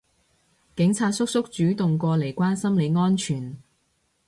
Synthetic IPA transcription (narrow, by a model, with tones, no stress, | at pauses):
kɪ˨˥ŋt͡sʰaː˧t̚sʊ˥k̚sʊ˥k̚t͡ʃyː˨˥t̪ʊ˨ŋkʷɔː˧le˨˩jkʷaː˥nsɐ˥mle˨˧jŋɔː˥nt͡ʃʰyː˨˩n